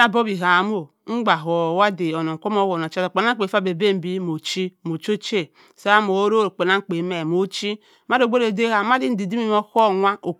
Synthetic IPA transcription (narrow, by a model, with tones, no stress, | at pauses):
a˨bo˦bi˨ɦa˨m˦o˨ | ŋ͡m̩˦ɡ͡ba˨ɦo˨wa˦di˨o˨no˨ŋ̩˨kʷo˦m˦o˦wo˨no˨t͡ʃa˦do˨k͡pe˨na˦k͡pe˨fa˦˨be˨be˦m̩˦bi˦mo˨t͡ʃi˦mo˨t͡ʃo˦t͡ʃe˦˨ | sa˦a˦mo˨˦ɾo˦ɾo˨k͡pe˨na˦ŋ̩˦k͡pe˨˦me˨mo˨t͡ʃi˦ | ma˦ɾo˨ɡ͡bʷo˦ɾe˨de˦a˨ma˦di˦n̩˦di˨di˦mi˦mo˦ko˦˨ŋʷa˦o˨